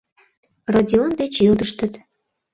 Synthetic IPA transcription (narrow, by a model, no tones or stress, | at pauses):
radʲiond̪et͡ɕjød̪əʃt̪ət̪